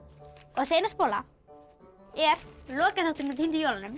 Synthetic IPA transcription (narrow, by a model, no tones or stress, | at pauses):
ɔɣsejnaspoːla | ɛɾlɔːkaθawt̪ʏmɛðhint̪ʏjowlanʏm